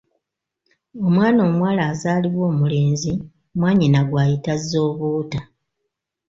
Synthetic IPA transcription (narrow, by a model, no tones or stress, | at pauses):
o̞mwaːno̞ːmwaːlaːzaːliβwo̞ːmule̞ːnzi | mwaːɲinaɡwaːjitazːo̞ːβuːta